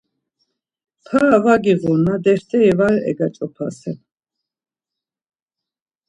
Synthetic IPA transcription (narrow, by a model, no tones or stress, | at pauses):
pʰaːvaɡiʁunad̪ɛɾt̪ʰɛɛvaɾɛ̰ɡat͡ʃʼɔpʰasɛ